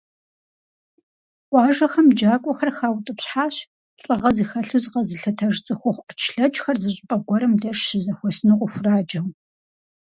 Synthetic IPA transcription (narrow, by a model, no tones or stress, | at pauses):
ʔʷɑːʒɐxɐmd͡ʒaːkʷʼɔxɐrxaːwtʼɨpɕħaːɕ | ɕʼɐʁɐzixɐɬuzqɐzɨɬɐtʰɐʒt͡sʼɨxʷɔχʷt͡ʃʰɬɐt͡ʃʼxɐrzɨɕʼpʼɐɡʷɔɾɐmdɐʂʃɪzɐxʷɔsnɨqʷʼʊfʷʊraːd͡ʒɐw